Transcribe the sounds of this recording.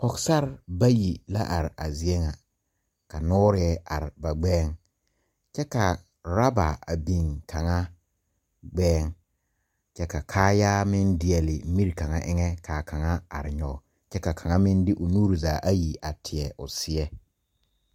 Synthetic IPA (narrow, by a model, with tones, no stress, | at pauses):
kɔ˨ksa˦ɾba˦ji˨la̰˦ʔa˨ɾɪ˨ʔa˨zɪ˨ɛ˦ŋa˨ | ka˨nʊː˦ɾɪ˨˦ɛ˦a̰˨ɾɪ˨ba˨ɡ͡bɛː˦ŋ | t͡ʃɛ˦ka˨ | ɾa˦ba˨a̰˨bi˨ŋkʰa˨ŋa˦ | ɡ͡bɛː˦ŋ | t͡ʃɛ˦ka˨kʰaː˦jaː˦mɪ˦ndɪ˨ɛ˨lɪ˨˦mi˦ɾka˨ŋa˦ʔɪ˦ŋɛ˦kʰaː˨ka˨ŋa˦a̰˨ɾɪ˨ɲɔ˨ | t͡ʃɛ˦ka˨kʰa˨ŋa˦mɪ˦ndɪ˦ʔʊ˨nuː˦ɾi˨zaː˨˦ʔa˦ji˨a˨tʰɪ˨ɛ˨ʔʊ˨sɪ˨ɛ˦